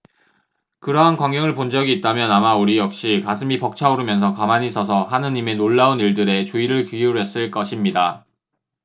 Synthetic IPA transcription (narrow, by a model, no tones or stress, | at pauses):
kɯɾʌɦankwaŋɡjʌŋɯɭpond͡ʑʌɡiːt̚t͈amjʌnamauɾijʌk̚ɕ͈ikasʰɯmipʌk̚t͡ɕʰauɾɯmjʌnsʰʌkamaɲisʰʌsʰʌɦanɯɲime̞noɭːauniɭdɯɾe̞t͡ɕuiɾɯɭkijuɾɦe̞s͈ɯɭk͈ʌɕʰimɲida